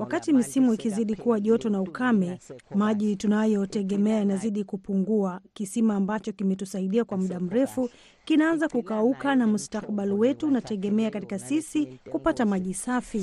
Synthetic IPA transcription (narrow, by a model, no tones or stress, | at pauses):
wakatimisimuikiziɗikuwaʄɔtɔnaukamɛmaʄitunajɔtɛɠɛmɛajanaziɗikupuŋɡuakisimaːmbat͡ʃɔkimɛtusaiɗiakwam̩ɗam̩ɾɛfu | kinaanzakukaukanamustak̚ɓaliwɛtunatɛɠɛmɛakatikasisikupatamaʄisafi